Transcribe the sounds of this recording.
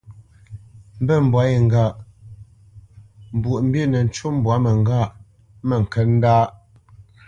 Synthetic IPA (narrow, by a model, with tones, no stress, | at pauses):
m̩˦bə˦˨m̩˨bwa˨˦je˨ŋ̩˨ɡa˦˨ʔ | m̩˨bu˨ʔm̩˦be˦˨nə˨n̩˦t͡ʃo˦m˨bwa˨˦mə˨ŋ˦ɡa˦˨ʔ | mə˨ŋ̩˨kə˦n̩˦daː˦